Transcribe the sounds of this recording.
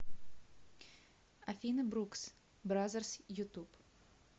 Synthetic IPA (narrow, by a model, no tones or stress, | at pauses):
ɐfʲinɨbɾuks | bɾazərsjut̪up